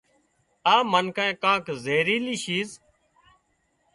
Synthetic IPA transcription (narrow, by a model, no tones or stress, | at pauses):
aːmənkãẽːkãːkzeːɾiːliːʃiːz